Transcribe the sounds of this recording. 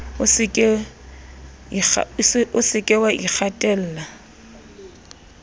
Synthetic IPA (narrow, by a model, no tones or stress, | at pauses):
ʊsɪkʼɛ | a̰ʊsɪkʼɛwaʔik͡xʰatʼɛl̩ːla